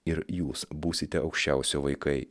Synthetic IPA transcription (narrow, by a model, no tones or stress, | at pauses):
ɪɾjuːsbuːsʲɪt̪ʲɛʔɒʊkʃʲt͡ʃʲɛˑʊsʲoːʋɐɪkɐɪ